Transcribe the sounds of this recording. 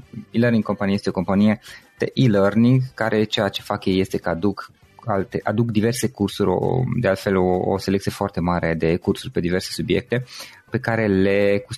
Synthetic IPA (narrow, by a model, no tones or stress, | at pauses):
ilərniŋɡkːo̞mpanijest̪eoko̞mpanijed̪̥ḛʔilərniŋɡkaɾʔe̞t͡ʃejat͡ʃe̞fakjeje̞st̪e̞kəad̪uk | alt̪eʔad̪ukd̪ive̞rsekursuɾʲo̰d̪e̞alt̪fe̞loo̰se̞lekt̪sijefoart̪e̞maɾe̞d̪e̞kursurʲpe̞d̪ive̞rse̞subje̞k̚t̪e̞ | pe̞kaɾe̞le̞ku